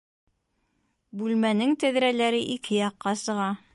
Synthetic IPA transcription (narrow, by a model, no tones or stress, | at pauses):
bʉlmænɘŋt̪æðɾælæɾɘʔikʰɘjɑqːɑsɤ̆ʁɑ